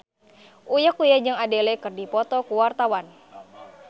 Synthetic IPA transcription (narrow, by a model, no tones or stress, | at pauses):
ʔujak̚ujad͡ʒɨŋadɛlɛkərdipɔt̪ɔkuwart̪awan